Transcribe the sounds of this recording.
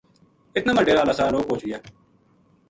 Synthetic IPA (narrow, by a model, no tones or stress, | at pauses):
ɪt̪naːməɖeːɾaːlaːsaːloːpoːt͡ʃɪjaː